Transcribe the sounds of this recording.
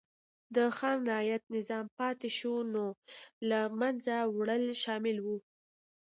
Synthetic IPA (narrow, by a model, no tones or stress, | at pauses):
d̪əxɑnɾɪɑjat̪nɪzɑmpɑt̪eʃunolamanzawɽəlʃɑmɪlwu